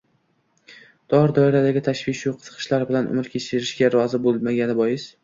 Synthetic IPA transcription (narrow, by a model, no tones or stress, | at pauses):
d̪̥ɒɾd̪ɒɪɾad̪aɡʲɪt̪ʰaʃvɪʃjuqʰɨ̥zɨ̥qʰɨ̥ʃlaɾbɪlanʔʊ̰mɪɾkʲʰet͡ʃʰɪɾɪʃɡʲaɾɒzɪbolˠmaɡʲanɪbɒjɪs